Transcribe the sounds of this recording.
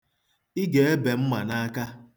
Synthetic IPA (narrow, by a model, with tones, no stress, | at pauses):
i˦ɡe˨e˦be˨m̩˦ma˨na˦a˦ka˦